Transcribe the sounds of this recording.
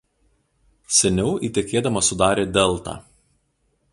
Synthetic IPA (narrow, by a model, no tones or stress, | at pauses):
sʲɛnʲɛʊʔiːt̪ʲɛkʲeːd̪ɐmɐsʊd̪ɑːɾʲeːd̪ʲɛlˠˑt̪ɑ̰ː